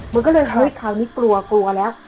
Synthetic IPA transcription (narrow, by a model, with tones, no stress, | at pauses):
ma˧kɔː˥˩lɤː˧jɦɤ˦˥jkʰaː˨˩wniː˦˥klu˧ɐklu˧ɐlɛː˦˥w